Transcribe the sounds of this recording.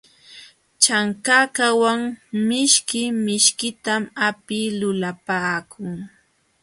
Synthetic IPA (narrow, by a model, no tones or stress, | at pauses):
t͡ʃaŋkakawaŋmɪʃkɪmɪʃkɪt̪amapɪlʊlapaːkʰʊŋ